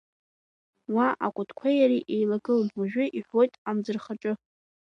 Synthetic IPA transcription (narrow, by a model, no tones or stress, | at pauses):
waʔa̰kʷʼʊtʰkʷʰajaɾiʔejlaɡɨlwaʒᶣʷʊʔiħʷo̞jtʼamd͡zɨrχaʈ͡ʂʼɨ